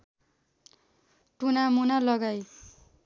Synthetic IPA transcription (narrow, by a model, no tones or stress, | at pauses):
ʈunamunalʌɡaj